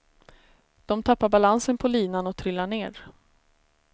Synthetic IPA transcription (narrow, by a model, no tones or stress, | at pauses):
d̪̥ɔmt̪ʰapːaɾbalansənpʰɔliːnanɔt̪ʰɾʏlːaɳeːɾ